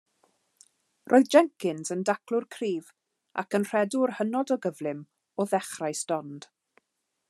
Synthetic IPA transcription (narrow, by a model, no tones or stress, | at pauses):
rʔoːjðd͡ʒɛŋkɪnzəndaklʊrkʰriːv | a̰kənr̥ɛdʊrhənɔdɔɡəvlˠɪm | ɔðɛχrajsd̥ɔnd̥